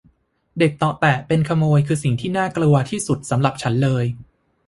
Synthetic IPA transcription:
de˨˩k̚t̪ɔ˨˩t̪ɛ˨˩pe˧nkʰa˧moː˧jkʰɯː˧si˨˩ŋt̪ʰiː˥˩naː˥˩klu˧ɐt̪ʰiː˥˩su˨˩t̪̚sa˩˦mɾa˨˩p̚t͡ɕʰa˦˥nlɤː˧j

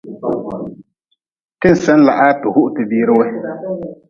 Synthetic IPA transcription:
kɪ˦n̩˨sɛ˦n˦la̰˨ʔa˦tʊ˨hʊ˦ʔtɨ˨biː˦ɾɨ˦we˦

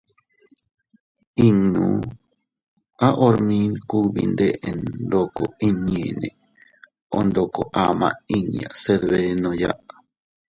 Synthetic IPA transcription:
i˦nũ˨ | a˦ʔo˧ɾmĩ˦nku˦βḭ˧nd̪e˦ʔe˨nd̪o˧ko˨i˧ɲẽ˨nẽ˨ | o˧nd̪o˧˨ko˨ʔa˧mã̰˧i˧ɲã̰˨se˧ðβe˧nõ˧ja̰˦ʔ

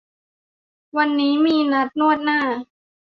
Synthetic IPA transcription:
wa˧nːiː˦˥miː˧na˦˥t̪̚nu˥˩ət̪̚naː˥˩

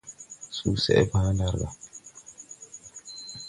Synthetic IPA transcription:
suː˦sɛ̰˨ɛ˦ba˦na˦ɾɡa̰˨

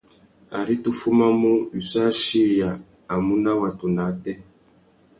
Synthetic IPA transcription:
a̰˨ɾi˦tu˦fu˦ma˦mo˦i˨sa˦ʃi˦jaː˨ | mu˦na˦wa˨tu˨na˨˦tɛ˦

